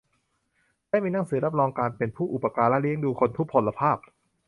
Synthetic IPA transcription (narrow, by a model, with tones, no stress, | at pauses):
daː˥˩jmiː˧na˥˩ŋsɯː˩˦ɾa˦˥p̚ɾɔː˧ŋkaː˧npe˧npʰuː˥˩ʔu˨˩pːa˧kaː˧lɛ˦˥ʔli˦˥əŋduː˧kʰo˧nt̪ʰu˦˥pʰːo˧la˧pʰaː˥˩p̚